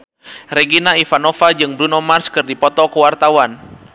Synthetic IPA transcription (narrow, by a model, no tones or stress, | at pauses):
reɡinaifanɔfad͡ʒɨŋbɾunɔmarskɨrdipɔt̪ɔkəwart̪awan